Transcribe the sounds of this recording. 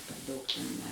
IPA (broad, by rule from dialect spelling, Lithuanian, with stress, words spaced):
pʲɛr ˈdɐʊk tʲɛn ˈnʲɛ